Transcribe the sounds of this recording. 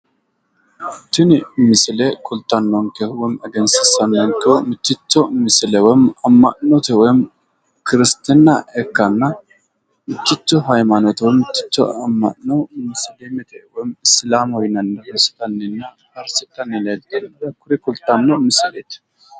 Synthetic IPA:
t̪ːɪnmɪsɪlɛkʰʊlt̪ːɐnːɔŋkɛwɔjɪmɛɡɛnsɪsɐnːɔŋkɛɔmɪt͡ʃːɪt͡ʃːɔmɪsɪlɛwɔjɪmɐmːɐʔnɔt̪ɛwɔjɪm | kɪɾɪst̪ɪnːɐɛkːɐnːɐ | mɪt͡ʃːɪt͡ʃːɔɦɐjmɐnɔt̪wɔjmɪtːɪ̥t͡ʃːɔ̰ɐmːɐ̰ʔnɔmɪslemɛt̪ɛwɔjɪmɪslaːmhɔjnɐnːɐɾɔsɪ̥t̪ɐnːɛnːɐ | ɐɾsɪt̪ːɐnːɪlɐjd̪end̪ɐkʊɾɛkʊlt̪ːɐnːɔmɪsleːt̪

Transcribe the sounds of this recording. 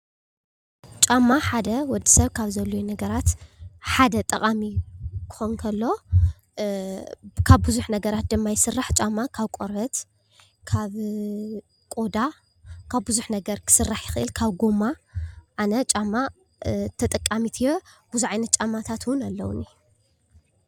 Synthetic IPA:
t͡ʃʼamːaħad̪ɐwɔd̪ːisɐβkʰaβzɐlːojunɐɡɐɾat̪ħad̪ɐt̪ʼɐqʼamikʰɨ̥xonkʰɐlːo̞ | kʰaβbɨzuħnɐɡɐɾat̪̚d̪ɨmːajɪsɨrːaħt͡ʃʼamːakʰaβkʼoɾɐt̪ | kʰaβ | kʼo̞d̪a | kʰaβbɨzuħnɐɡɐɾkʰɨ̥sɨrːaħjɪxɨʔɨlkʰaβɡomaʔanɐt͡ʃʼamːa | t̪ʰɐt̪ʼɐkʼːamit̪ʰɨjob̥uzuʕajnɐt̪̚t͡ʃʼamːat̪ʰat̪ʰwʊnalːɐ̰wʊ̰ni

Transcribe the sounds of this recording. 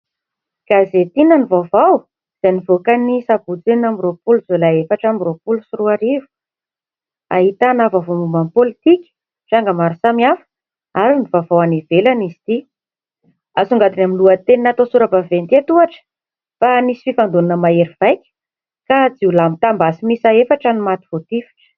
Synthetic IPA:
ɡ̥azet̪inənivavaw | z̥anivokanisabut͡senamiropuluzolaefaʈ͡ʂamiropulusuruaɾivu̥ | a̰ɦit̪anavavomumanpolit̪ikʲə̥ | ʈ͡ʂaŋɡamaɾusamiafə̥ | aɾinivavawanivelanizi̥t̪i | asuŋɡad̪inamiluət̪eninat̪osuɾabavent̪iet̪uaʈ͡ʂə̥ | fanisi̥fifand̪unanəmaeɾivajkʲə̥ | kad͡ziulamit̪ambasimisaefaʈ͡ʂanimat̪i̥v̥ot̪ifi̥ʈ͡ʂə̥

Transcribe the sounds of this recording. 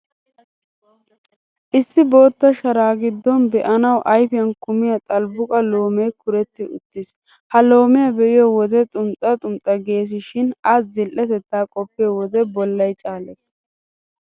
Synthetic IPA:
ʔɪsːɪbo̞ːt̪ːɐʃɐɾaːɡɪd̪ːɔnbɛʔɐnɐwʔɐjfɪjɐnkʊmɪjɐt̪ʼɐlbʊkʼɐlo̞ːmejkʊɾɛt̪ːɪʊ̰t̪ːɪs | hɐlo̞ːmɪjɐbɛʔɪjɔwɔd̪ɛt̪ʼʊmt̪ʼɐt̪ʼʊmt̪ʼːɐɡe̞ːs̬ɪʃɪnɐszɪlʔɛt̪ɛt̪ːaːkʼɔpːɪjɔwɔd̪ɛbɔlːɐjt͡ʃʼaːleːs

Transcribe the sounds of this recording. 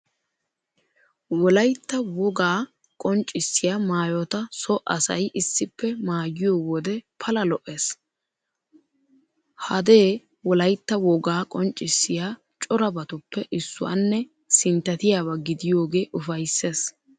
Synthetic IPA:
wɔlɐjt̪ːɐwɔɡaː | kʼɔnt͡ʃʼːɪsːɪjaːmaːjɔt̪ɐsɔʔɐ̰sɐ̰jʔɪsːɪpːɛmaːjɪjoːwɔd̪ɛpʰɐlɐlɔʔeːs | hɐd̪e̞ː | wɔlɐjt̪ːɐwɔɡaːkʼɔnt͡ʃʼːɪsːɪjaː | t͡ʃʼɔɾɐbɐt̪ʊpːɛʔɪsːʊ̰wa̰nːɛ | sɪnt̪ːɐt̪ɪjaːβɐɡɪd̪ɪjo̞ːɡe̞ːʔʊfɐjsːe̞ːs

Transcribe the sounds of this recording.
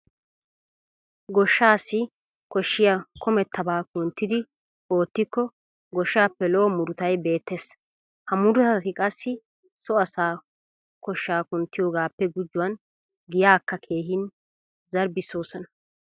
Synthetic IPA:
ɡɔʃːaːsːɪ | kɔʃːɪjakʰɔmɛt̪ʰːɐbaːkʊnt̪ːɪd̪ɪ | o̞ːt̪ːɪkːɔ | ɡɔʃːaːpːɛlɔːmʊɾʊt̪ɐjbe̞ːt̪ʰːes | hɐmʊɾʊt̪ɐt̪ɪkʼɐsːɪ | sɔɐsaː | kɔʃːaːkʊnt̪ːɪjoːɡaːpːɛɡʊd͡ʒːʊwɐn | ɡɪjaːkːɐkʰe̞ːɦɪn | zɐɾbɪso̞ːsɔnɐ̥

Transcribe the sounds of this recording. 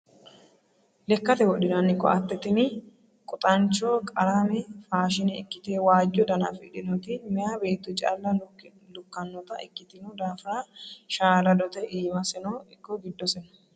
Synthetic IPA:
lɛkːɐt̪ɛwɔɗɪnɐnːɪkːɔ̰ʔɐt̪ːɛt̪ɪnɪ | kʼʊt̪ʼɐnt͡ʃːɔːkʼɐɾamɛfaːʃ̬ɪnɛkːɪt̪eːwaːd͡ʒːɔd̪ɐnɐ̰fɪ̰ɗɪnɔt̪ɪmɪjabe̞ːt̪ːʊt͡ʃʼɐ̰lːɐ | lʊkːɐnːɔt̪ɐʔɛ̰kːɪt̪ɪnʊd̪aːfɪɾaʃaːlɐd̪ɔt̪ɛʔiːmɐsɛnɔɪkːɔɡɪd̪ːɔsɛnɔ̥

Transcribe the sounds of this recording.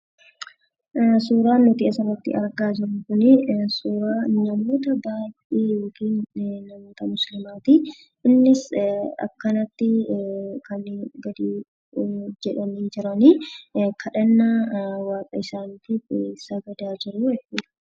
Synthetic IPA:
suːɾaːnːɔt̪ɪʔɛsɐrːɐt̪ːɪ̰ɐɾɡaːd͡ʒɪɾɐŋkʊnɪsuːɾaːnɐmo̞ːt̪ɐbaːjʔiːjoːkiːnːɐmo̞ːt̪ɐmʊslɪmaːt̪i | ɪnːɪsɐ̰kːɐnɐt̪ːɪkɐnɡɐd̪iː | d͡ʒɛᶑɐniːd͡ʒɪɾɐnikʰɐᶑɐnːawaːkʼɐɪsaːnt̪iesɐɡɐd̪aːd͡ʒɪɾʊɛfɪᶑ

